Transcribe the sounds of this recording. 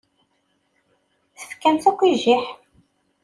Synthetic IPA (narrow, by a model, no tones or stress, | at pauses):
θə̥fkːænθækʷːiʒɪħ